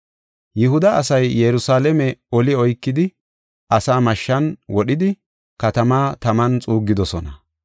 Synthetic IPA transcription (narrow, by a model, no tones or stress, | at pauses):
jɪɦʊd̪ɐɐsɐjːɛɾʊsaːlɛmɛɔlɪɔjkːɪd̪ɪ | ʔɐsaːmɐʃːɐnwɔɗɪd̪ɪ | kɐt̪ɐmaːt̪ɐmɐnt͡sʼuːɡːɪd̪ɔsɔnɐ